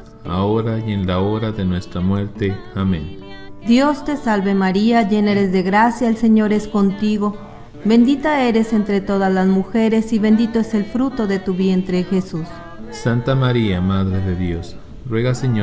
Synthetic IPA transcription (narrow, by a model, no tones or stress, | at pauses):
a̰oɾajenlao̞ɾaðe̞nwe̞st̪ɾamwe̞ɾt̪eamḛ̃n | d̪jo̞st̪e̞salβe̞maɾiaʝeneɾe̞zðe̞ɣɾasjaelse̞ɲo̞ɾe̞sko̞nt̪iɣo̞ | βe̞nd̪it̪ae̞ɾe̞se̞nt̪ɾe̞t̪o̞ðazlazmuxe̞ɾe̞siβe̞nd̪it̪o̞ese̞lfɾut̪o̞ðe̞t̪uβje̞nt̪ɾe̞xe̞sus | sant̪amaɾiamaðɾeðeðjo̞s | rweɣaseɲo